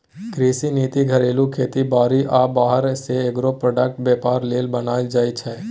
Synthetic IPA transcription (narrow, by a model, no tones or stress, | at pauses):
kɾiːsiniːt̪iɡʱɐɾeːlũkʰeːt̪ibaːɾiʔaːbaːɦəɾseeɡɾopɾoːɖək̚ʈ̚beːpaːɾleːlbənaːid͡ʒaːit͡ʃʰɛː